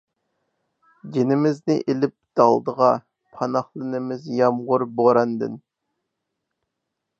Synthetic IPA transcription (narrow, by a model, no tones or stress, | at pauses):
d͡ʒʲenɪmɪznɪʔelɪp̚d̪̥ɑlˠd̪əʁɑ | pʰɑnɑχlˠɨnɪmɪzjɑmʁʊɾboɾɑnd̪ɨ̰n